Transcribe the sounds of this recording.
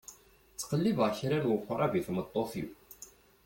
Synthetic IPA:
t͡sːə̥qəlːivʕçɾænwəqʷːəɾˤæviθmət̪ˤːoθḭw

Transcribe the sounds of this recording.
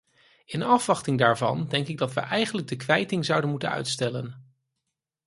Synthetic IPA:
ɪnɑfʋɑχtɪŋdaːɹvɑndɛŋkɪɡ̚dɑtʋə̰ʔɛjχənləɡ̚dəkʋɛjtɪŋzʌwdənmutə̰nœ̰ɥtstɛlən

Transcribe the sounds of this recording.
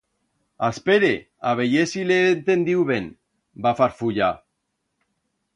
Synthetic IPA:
aspeɾe | aβejesileːnt̪end̪iwβen | bafaɾfuʎa

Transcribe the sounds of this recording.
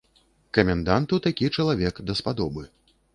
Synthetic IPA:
kɐmʲɛnd̪ant̪ut̪akʲit͡ʂɐlˠavʲɛkd̪ɐspad̪ɔbɨ

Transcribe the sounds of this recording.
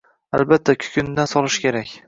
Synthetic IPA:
albat̪ʰːakʲʰʊ̥kʲʰɪnd̪ansɒlˠɪʃkʲe̞ɾakʲ

